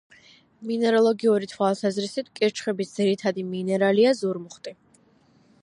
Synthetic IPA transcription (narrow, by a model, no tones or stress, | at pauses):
minɛɾɔlˠɔɡiuɾit̪ʰwalˠsazɾisit̪ʰkʼiɾt͡ʃʰχɛbisd̪ziɾit̪ʰad̪iminɛɾaliazuɾmuχt̪ʼi